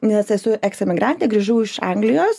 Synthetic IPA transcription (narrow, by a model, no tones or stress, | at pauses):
nʲɛsɛsʊʔɛksɛmʲɪɡɾɑnʲt̪ʲɛɡɾʲiːʒuːɪʃɑŋɡlʲɪjoːs